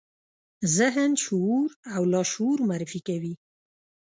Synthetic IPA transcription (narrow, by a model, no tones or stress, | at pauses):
zɛɦɛnt͡ʃʰuːɾawlɑːʃuːɾmɛɾfiːkɛwiː